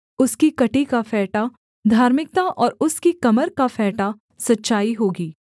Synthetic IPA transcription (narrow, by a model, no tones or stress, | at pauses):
ʊskikɐʈikafɛːʈa | d̪ʱaːɾmɪk̚t̪aʔɔːɾʊskikɐməɾkafɛːʈa | sɐtːʃaːiɦoːɡiː